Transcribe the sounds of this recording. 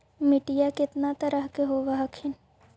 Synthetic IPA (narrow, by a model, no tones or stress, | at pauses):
mɪʈɪjakɪt̪nat̪əɾəɦkeɦoːʋaɦkʰɪn